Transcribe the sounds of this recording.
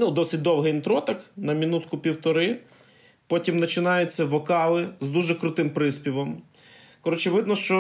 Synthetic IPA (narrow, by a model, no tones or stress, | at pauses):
nud̪ɔsɪt̚ʲd̪ɔwɦɛint̪ɾɔt̪ɐknɐmʲinut̪kʊpʲiwt̪ɔɾɪ | pɔtʲimnɐt͡ʃɪnɑjʊt͡sʲːɐʋɔkɑlˠɪzd̪uʒɛkɾʊt̪ɪmpɾɪspʲiʋɔm | kɔɾɔt͡ʃɪʋɪd̪nɔʃt͡ʃɔ